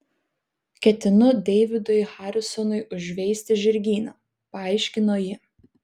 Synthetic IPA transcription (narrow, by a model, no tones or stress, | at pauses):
kʲɛt̪ʲɪnʊd̪ʲɛɪʋʲɪd̪ɔjxɑːɾʲɪsɔnʊɪʔʊʒʲʋʲɛɪsʲt̪ʲɪʒʲɪɾʲɡʲiːnɐ | pɐɐɪʃʲkʲɪnoːjɪ